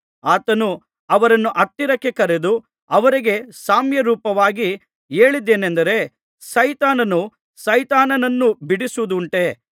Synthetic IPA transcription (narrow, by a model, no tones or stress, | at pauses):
aːt̪ɐnu | ɐʋɐɾɐnːuʔɐt̪ːiɾɐkːe̞kɐɾed̪u | ɐʋɐɾiɡe̞saːmjɐɾuːpɐʋaːɡi | e̞ːɭid̪ːeːnend̪ɐɾe̞ | sɐjt̪aːnɐnu | sɐjt̪aːnɐnɐnːubiɽisuud̪uɳʈe